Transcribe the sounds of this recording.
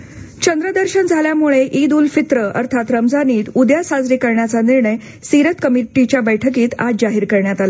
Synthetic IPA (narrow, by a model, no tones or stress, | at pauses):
t͡ɕənd̪ɾəd̪əɾɕənd͡zʱaljamuɭeʔid̪uːlfit̪ɾəə̰ɾt̪ʰat̪ɾəmd͡zaniːt̪ud̪jasad͡zɾiːkəɾɳjat͡saniɾɳəj | siɾət̪kəmiʈit͡ɕjabəjʈʰəkiːt̪a̰d͡ʑaɦiːɾkəɾɳjat̪ala